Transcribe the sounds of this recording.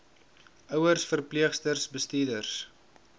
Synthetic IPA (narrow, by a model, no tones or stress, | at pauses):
œwərsfərpliəχstərsbəstiːdərs